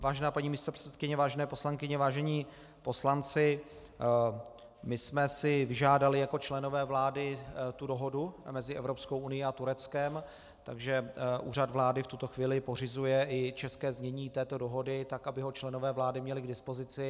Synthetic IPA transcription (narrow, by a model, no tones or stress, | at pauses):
vaːʒɛnaːpaɲiːmiːst̪opr̥ɛ̥t͡sɛt̪̚kɪɲɛvaːʒɛnɛːposlaŋkɪɲɛvaːʒɛɲiː | po̞slant͡sɪ | mɪsmɛsɪvɪʒaːdalɪjako̞t͡ʃlɛno̞vɛːvlaːdɪt̪udo̞ɦo̞dumɛzɪʔɛvɾo̞psko̞wʔunɪjiat̪uɾɛt͡skɛm | t̪a̰ɡʒɛʔṵːrad̪vlaːdɪft̪ut̪o̞xviːlɪpo̞r̝ɪzujɛʔɪt͡ʃɛskɛːzɲɛɲiːt̪ɛːt̪o̞do̞ɦo̞dɪt̪akʔabɪɦo̞t͡ʃlɛno̞vɛːvlaːdɪmɲɛlɪɡdɪspo̞zɪt͡sɪ